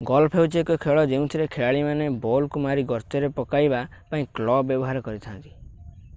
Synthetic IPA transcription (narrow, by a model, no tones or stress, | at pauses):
ɡɔlpʰɦewt͡ʃekɔkʰeɭɔd͡ʒeũt̪ʰiɾekʰeɭaɭimanebɔlkumaɾiɡɔɾt̪ɔɾepɔkajbapaĩklɔbjɔbɔɦaɾɔkɔɾit̪ʰant̪i̥